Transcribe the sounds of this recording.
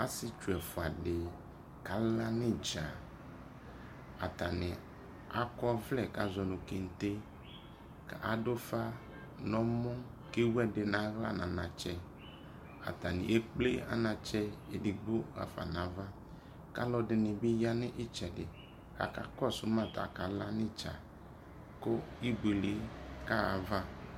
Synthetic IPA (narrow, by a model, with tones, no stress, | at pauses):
a˦sɪ˦t͡ʃu˨ɛ˨fʊ˨a˨dɪ˨ | ka˨la˦nɪ˦d͡ʒa˨ | a˨t̪a˨nɪ˨ | a̰˦kɔ˦vlɛ˨ka˨zɔ˨nʊ̃˨ke˨n̩˨t̪e˦ | ka˨ʔa˨do˦fa˦ | nɔ̃˦mʊ̃˦ | ke˦wu˦ɛ˦dɪ˨nã˨ɣla̰˦nã˨nã˨t͡ʃɛ˨ | a̰˨t̪a˨nɪ̰˨ʔe˦k͡ple˦a̰˦nã˨t͡ʃɛ˦e˨dɪ˨ɡ͡bo˦ɣa̰˨fa̰˨nã˨˦va˦ | ka̰˦lɔ˨dɪ˨nɪ˨bɪ˦ja˦nɪ˦ʔɪ˦t͡ʃɛ˨dɪ˨ | a̰˨ka̰˨kɔ˦˨sʊ˨˦mã˦˨t̪a̰˨ka˨la˦nɪ˦t͡ʃa̰˨ | ko˦i˦ɡ͡be˨le˨˦ka˦a˨va˦